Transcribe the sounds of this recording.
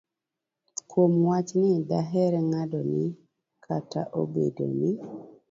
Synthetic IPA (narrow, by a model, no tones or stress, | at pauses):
kwomwat͡ʃnɪdaɦɛɾɛŋadɔnɪ | kʰatʰa̰ʔo̰bedo̰nɪ